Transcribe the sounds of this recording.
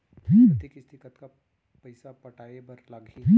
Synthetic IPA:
ɦət̪ekist̪ɪkət̪ka | pɐɪsapɐʈʰaːebɐɾlaɡiɦ

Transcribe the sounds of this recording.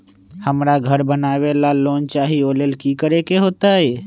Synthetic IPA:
həmɾaɡʱəɾbənaːʋelaloːnt͡ʃaːɦioːlelkikəɾekeɦoːt̪aɦeː

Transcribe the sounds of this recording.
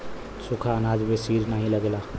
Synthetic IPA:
sʊkʰaənaːd͡ʒmẽsiːɾnaːɦĩləɡlaː

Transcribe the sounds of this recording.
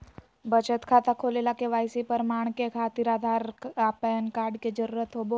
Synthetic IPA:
bət͡ʃət̪kʰat̪akʰolelakeʋajsipəɾmaɳ̃kekʰat̪iɾad̪ʱaɾapəjənkaɾɖked͡ʒəɾuːɾət̪ɦobo

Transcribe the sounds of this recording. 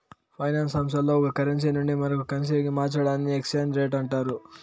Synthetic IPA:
pʰɐjnaːnsɐmsɐlːoːɔkɐkɐɾens̬inuɳɖimɐɾɐkukɐns̬eɡimaːt͡ʃɐɽaːniekst͡ʃeːnɾeːʈɐɳʈaːɾu

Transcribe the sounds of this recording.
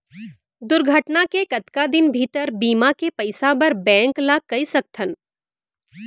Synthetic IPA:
d̪ʊɾɡʱəʈnakekɐt̪kad̪ɪnbʱiːt̪əɾbiːmakepɐɪsabɐɾbɛ̃ːŋklakɐisɐk̚t̪ʰən

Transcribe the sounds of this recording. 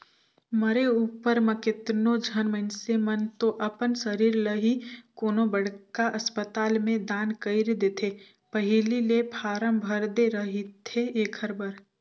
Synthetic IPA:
məɾeuːpəɾməkɪt̪nod͡ʒʱənmə̃nsemənt̪oʔɐpənsəɾiːɾləɦikoːnobəɽkaʔɐspət̪aːlmẽd̪aːnkəɪɾd̪eːt̪ʰe | pəɦɪlilepʰaːɾəmbʱəɾd̪eɾəɦit̪ʰeeːkʰəɾbəɾ

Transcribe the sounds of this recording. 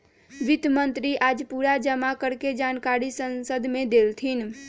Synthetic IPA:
ʋit̪mənt̪ɾiʔaːd͡ʒpuɾad͡ʒəmakəɾked͡ʒankaɾisənsəd̪ʱmẽd̪elt̪ʰin

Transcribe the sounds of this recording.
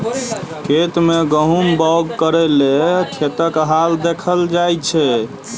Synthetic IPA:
kʰet̪meɡəɦumbɔɡkəɾelekʰet̪əkɦald̪ekʰəld͡ʒajt͡ʃʰɛ

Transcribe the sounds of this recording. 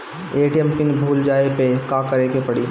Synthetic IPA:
eːʈijɛmpɪnbʱuːld͡ʒaːepekãːkɐɾeːkepɐɽiː

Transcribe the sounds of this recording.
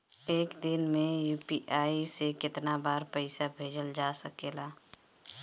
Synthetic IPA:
eːkd̪ɪnmẽjuːpiʔaːisekɪt̪nabaːɾpəɪsabʱeːd͡ʒəld͡ʒaːsəkeːlaː

